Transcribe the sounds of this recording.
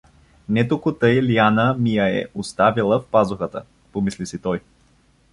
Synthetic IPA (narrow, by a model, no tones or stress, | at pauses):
nɛt̪okʊt̪əjlianəmijəɛ̰ʔost̪avilˠəfpazʊxət̪ə̰ | pomislisit̪ɔj